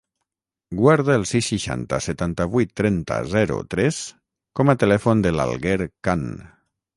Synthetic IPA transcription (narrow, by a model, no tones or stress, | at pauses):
ɡwaɾðalˠsisːiʃa̰nt̪a̰set̪ant̪aβujt̪ːɾɛnt̪a̰zɛɾṵt̪ɾɛs | kɔmat̪elɛfond̪əla̰lˠɣeɾkan